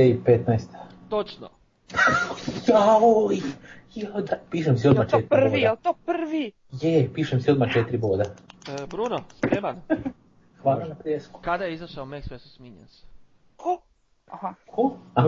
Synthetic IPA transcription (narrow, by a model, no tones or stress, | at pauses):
eipet̪najst̪ḁ | t̪ot͡ʃno̰ | jaojjad̪apiːʃemsiod̪mat͡ʃet̪rielt̪opr̩ʋi | jepiːʃemsio̞d̪mat͡ʃet̪ɾiboːd̪abɾunospɾeman | xʋaːlˠanapɾijesku̥kad̪ajeizaʃaomeksʋesusmiɲense̥ | kʰo | ahakʰoa